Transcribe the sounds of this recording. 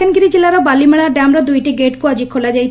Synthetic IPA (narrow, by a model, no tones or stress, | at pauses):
anɡiɾid͡ʑelaɾabalimeɭ̃aɾɖamɾad̪ujʈiɡeʈkuad͡ʑikʰolad͡ʑajt͡ɕʰ